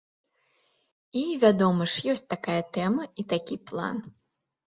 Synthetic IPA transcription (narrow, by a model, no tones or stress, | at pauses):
ivʲad̪ɔmɨʂjɔsʲt͡s̚ʲt̪akajɐt̪ɛmɐit̪akʲiplˠa̰n